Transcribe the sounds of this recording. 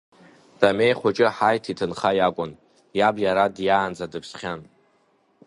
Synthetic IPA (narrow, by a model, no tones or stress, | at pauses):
d̥amejχʷʊt͡ʃʼɪħajtʰitʰɨnχajakʷʼʊn | jabjaɾadjaːnd͡zadɨpʰsχʲan